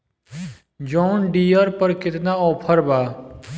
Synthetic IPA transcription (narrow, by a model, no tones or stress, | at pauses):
d͡ʒɔːnɖiːjəɾpəɾkɪt̪naɔːpʰəɾbaː